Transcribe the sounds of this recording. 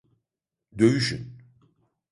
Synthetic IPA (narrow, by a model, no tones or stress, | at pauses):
d̪øjyʃy̰n